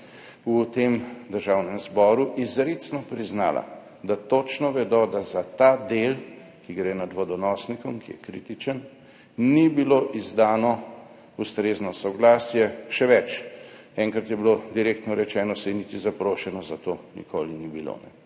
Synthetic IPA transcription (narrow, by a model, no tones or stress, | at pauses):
ut̪emd̪əɾʒawnɛmzbɔːɾuʔizɾet̪snɔpɾizna̰ːla̰ | d̪at̪ot͡ʃnɔʋɛd̪ɔd̪azat̪aːd̪el | kiɡɾenad̪ʋɔd̪ɔnɔːsnikɔmkijɛ̰kɾit̪it͡ʃən | nibiloʔizd̪aːnɔ | ust̪ɾeːznɔsɔɡlaːsjɛʃɛʋɛt͡ʃ | ɛːŋkɾat̪jɛbilod̪iɾeːkt̪nɔɾɛt͡ʃɛːnɔsɛnit̪izapɾoːʃɛnɔzat̪onḭkʰoːlinibilo̰nɛ̰